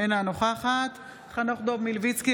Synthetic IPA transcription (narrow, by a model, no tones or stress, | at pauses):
enanoχaːχat̪ | χanoχd̪obmilvit͡ski